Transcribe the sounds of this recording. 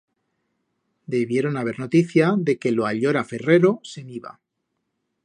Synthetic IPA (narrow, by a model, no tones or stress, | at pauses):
d̪e̞βje̞ɾo̞naβ̞e̞ɾno̞t̪iθjaðe̞ke̞loaʎo̞ɾafe̞re̞ɾo̞se̞miβa̰